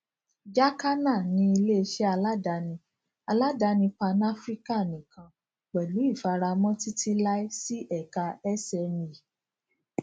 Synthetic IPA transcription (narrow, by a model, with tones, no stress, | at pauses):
d͡ʒa˦ka˦na˦˨nĩ˧i˧le˦˧ʃɛ˦a˧la˦da˧˦nĩ˧ | a˧la˦da˧nĩ˧pa˧na˦fɾi˦ka˦˨nĩ˨kã˨ | k͡pɛ˨lu˨˦i˦˨fa˧ɾa˧mɔ̃˦ti˦tʰi˧la˦i˦si˦ʔɛ˦˨ka˧ɛ˦sɛ˧ni˨